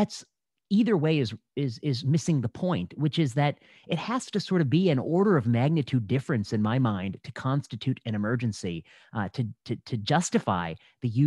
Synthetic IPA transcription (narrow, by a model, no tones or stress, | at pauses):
æts | iðə˞weɪɨzɪzɪzmɪsɪ̃ŋðəpʰɔ̃ɪ̃nʔ̚wɨt͡ʃɪzðɨɾ | ɨt̚hæz̥tɨsɔɹɾʌvbiɨ̃nɔɹɾə˞ʌvmæɡ̚nɨtʰʉdɪfɹɨ̃nsɨ̃nmaɪmãɪ̃ntʰɨ̥kʰɑ̃nstɨtʰʉɾɨ̃ñɨmɜ˞d͡ʒɨ̃nsi | ɾɨtʰɨɾʰɨd͡ʒʌstɨfa̰ɪ | ðɨjʉ